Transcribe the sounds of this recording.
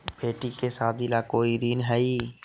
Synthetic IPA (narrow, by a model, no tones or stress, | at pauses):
beːʈikesaːt̪ilakoːiɾiːnɦɛi